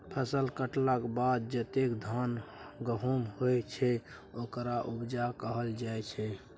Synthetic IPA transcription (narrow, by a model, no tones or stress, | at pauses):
pʰəsəlkəʈlakbad̪̚d͡ʒət̪ekd̪ʱanɡəɦumɦojt͡ʃʰɛ | okɾaʔubd͡ʒakəɦəld͡ʒajt͡ʃʰɛ